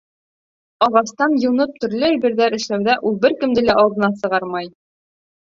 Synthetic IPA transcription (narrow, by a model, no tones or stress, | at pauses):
ɒʁɑst̪ɑnjɤ̆nɤp̚t̪ɵ̆ɾlɘæjbɘ̆ɾðæɾɘ̆ʃlæwðæʔulˠbɘɾkɘ̆md̪ɘlæʔɒlˠd̪ɤ̆nɑsɤ̆ʁɑɾmɑj